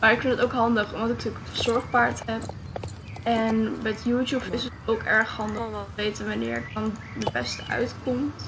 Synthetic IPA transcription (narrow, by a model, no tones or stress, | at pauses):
maːɹɪkfɪndətoʊwkɦɑndəχɔmdɑtɪktɪkəfəz̥ɔɹχpaːɹtɦɛp̚ | ɛnbɛjtjutupfsətowkɛɹχɦɑndəχdɑnəʋejtənʋanɪ̰ːɹɪk̚dɑn | dəbɛstəʔœ̰ɥtkɔmt